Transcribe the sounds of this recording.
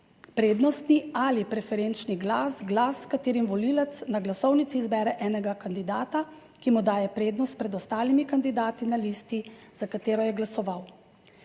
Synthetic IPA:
pɾeːd̪nɔst̪nialipɾɛfɛɾeːnt͡ʃniɡlasɡlasːkat̪eːɾimʋɔliːlɛt̪snaɡlasɔwnit̪siːzbɛːɾɛʔɛːnɛɡakand̪id̪aːt̪a | kimud̪aːjɛpɾeːd̪nɔst̪̚pɾɛd̪ɔst̪aːlimikand̪id̪aːt̪inaliːst̪iz̥akat̪eːɾɔjɛɡlasɔʋaw

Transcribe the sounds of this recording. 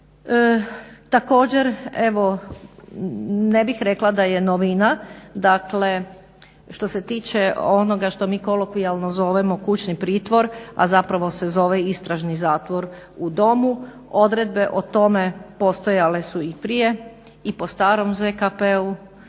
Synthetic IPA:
t̪ako̞ːd͡ʑeɾeʋo̞ | nebixɾeklˠad̪aje̞noʋinad̪akle | ʃt̪o̞se̞t̪iːt͡ʃe̞o̞no̞ɡaʃt̪o̞miːko̞lokʋialnozo̞ʋemo̞kut͡ɕnipɾiːt̪ʋo̞ɾa̰zapɾaʋo̞se̞zo̞ʋeist̪ɾaʒnizaːt̪ʋo̞ɾ | ud̪o̞mu | od̪ɾe̞d̪̚be̞ʔot̪o̞me̞po̞st̪o̞jale̞suipɾije̞ | ipo̞st̪aːɾo̞mzekapeu

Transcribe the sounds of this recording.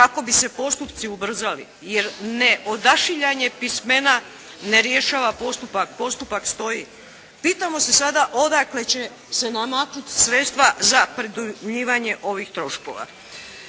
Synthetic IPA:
kako̞bise̞po̞st̪upt̪siubr̩zalḭ | je̞ɾne̞ʔo̞d̪aʃiʎaɲe̞pisme̞na | ne̞ɾje̞ʃaːʋapo̞st̪upak̚po̞st̪upakst̪o̞ji | piːt̪amo̞se̞sad̪aʔo̞d̪akle̞t͡ɕe̞ | se̞namat̪ɾut̪sɾet̪st̪ʋazapɾid̪umʎiːʋaɲe̞ʔo̞ʋixt̪ɾo̞ʃko̞̰ʋa̰

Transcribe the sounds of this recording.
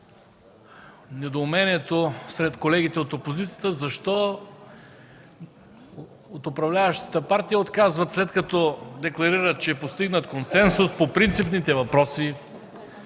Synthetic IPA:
nɛd̪oːmɛniɛt̪osɾɛt̪kolɛɡ̟it̪ɛot̪opozit̪sijət̪əzɐʃt̪ɔ | ot̪opɾɐvlʲavəʃt̪ə̥t̪əpaɾt̪ijəot̪kazvɐt̪slɛt̪kɐt̪ɔd̪ɛklˠɐɾiɾət̪̚t͡ʃɛːpost̪iɡnət̪konsɛnsʊspopɾint̪sipnit̪ɛvɐpɾɔsi

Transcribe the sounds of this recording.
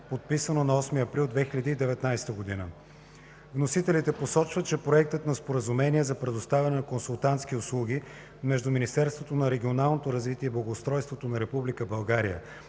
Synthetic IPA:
pot̪̚pisənonɐɔsmiɐpɾilˠd̪vɛxilʲəd̪iːd̪ɛvɛt̪najst̪əɡod̪inə | vnosit̪ɛlit̪ɛposɔt͡ʃvət̪̚t͡ʃɛpɾoɛk̚t̪ət̪nɐspoɾəzumɛniɛzɐpɾɛd̪ost̪avʲɛnɛnɐkonsulˠt̪ant̪sk̟iʊslˠuɡ̟ʲi | mɛʒd̪uminist̪ɛɾst̪vot̪onɐɾɛɡʲionalˠnot̪oɾɐzvit̪iɛiblˠɐɡoːst̪ɾɔjst̪vot̪onɐɾɛpublikəbɐlˠɡaɾḭjə̰

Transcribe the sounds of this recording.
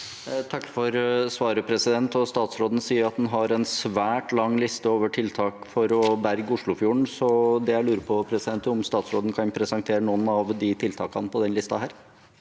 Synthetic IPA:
t̪ʰɑkːfɔɾsʋɑːɾəpʰɾɛsɪd̪ɛnt̪ɔst̪ɑːt̪sɾoːd̪n̩siːəɾɑt̪̚d̪ɛnɦɑɾɛnsʋæːʈlɑŋːlɪst̪əoːʋəʈʰɪlt̪ʰɑːkfɔɾɔbæɾɡʊʂɭʊfjuːɳ̩sɔd̪ɛjæɪlʉːɾəpʰɔpʰɾɛsɪd̪ɛnt̪əɔmst̪ɑːt̪sɾo̰ːd̪n̩kʰɑnpʰɾɛsɑŋt̪ʰeːɾənɔnɑʋd̪ɪt̪ʰɪlt̪ʰɑːkɑnpʰɔd̪ɛnlɪst̪ɑɦæːɾ

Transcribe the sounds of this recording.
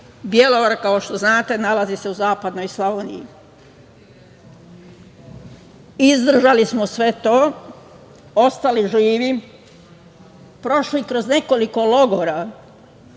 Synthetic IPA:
bje̞loʋaɾakaoʃt̪o̞znaːt̪e̞nalazise̞uzaːpad̪nojslˠoʋeːnḭjḭ | izd̪r̩ʒalismosʋe̞t̪o̞ː | ost̪aliʒiːʋi | pɾo̞ʃlikɾo̞zne̞ko̞liko̞lo̞ɡoɾa

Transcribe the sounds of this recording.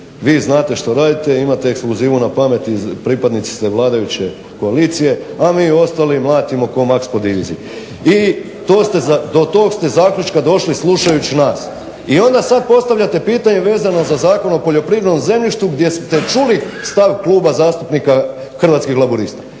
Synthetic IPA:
ʋiːznaːt̪e̞ʃt̪o̞ɾaːd̪it̪eimat̪eekskluziːʋunapame̞t̪izpɾipad̪nit̪si̥st̪eʋlˠaːd̪ajut͡ɕe̞ | ko̞aliːt̪sije̞amiːo̞st̪alimlˠaːt̪imo̞ko̞makspod̪iʋḭzḭ | i | t̪o̞ːst̪ead̪o̞t̪o̞ːkst̪e̞zaːkʎʲut͡ʃkad̪o̞ʃlisluʃajut͡ɕinaːs | io̞nd̪asad̪̚po̞st̪aʋʎat̪e̞piːt̪aɲeʋe̞ːzano̞zazaːko̞nopoʎo̞pɾiːʋeɾnomze̞mʎiʃt̪ʋuɡd̪je̞st̪et͡ʃulist̪aʋklˠuːbazaːst̪upnika | xrʋat̪skixlˠabuɾiːst̪ḁ

